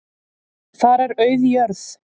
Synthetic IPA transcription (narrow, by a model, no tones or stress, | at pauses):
θaɾɛɾœɥðjœɾð